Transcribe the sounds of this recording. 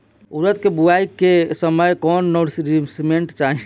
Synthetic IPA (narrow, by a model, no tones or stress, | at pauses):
uɾət̪̚kebuaikːesəməjkɔnːoɽsɾisimeɳʈt͡ʃaɦi